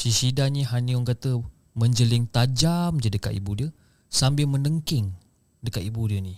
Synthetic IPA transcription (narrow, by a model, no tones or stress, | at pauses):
sisidaɲĩɦaniɔŋkat̪ə | mə̃ɲd͡ʒəlɪŋt̪ad͡ʒamd͡ʒədəka̰t̪ḭbudiə | sambɪlmə̃nəŋkɪŋ | dəkat̪ibudiəni